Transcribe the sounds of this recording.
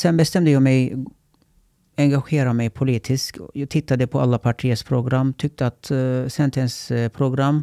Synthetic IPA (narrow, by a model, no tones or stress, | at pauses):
sɛnbɛst̪ɛmd̪əjɑːmɛj | ɛŋɡaɧeːɾamɛjpʰʊliːt̪ʰɪskjɑːt̪ʰɪt̪ːad̪əpʰɔa̰lːapʰaʈʰiːəspʰɾʊɡɾamːt̪ʰʏk̚t̪əat̪sɛnt̪ʰɛnspʰɾʊɡɾamː